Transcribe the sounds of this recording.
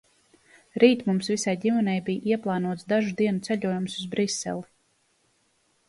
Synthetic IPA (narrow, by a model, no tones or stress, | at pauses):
ɾiːt̪mumsvisajɟimɛnɛjbijʔiɛplˠɑːnuɔt̪sd̪aʒud̪iɛnut̪sɛʎuɔjumsuzbɾisːɛ̰lˠi